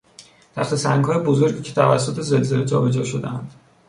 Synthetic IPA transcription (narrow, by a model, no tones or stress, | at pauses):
t̪ʰæ̰ft̪esæŋɡhɒːjebozo̞ɾɟiːcʰe̥t̪ʰævæ̰sːot̪ʰe̞ze̞lze̞led͡ʒɒ̰ːbe̞d͡ʒɒːʃod̪ḛænd̪̥